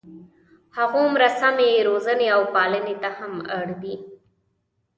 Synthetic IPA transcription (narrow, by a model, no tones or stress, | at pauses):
haɣomɾasamejɾozəneawpɑlənet̪ahamaɽd̪i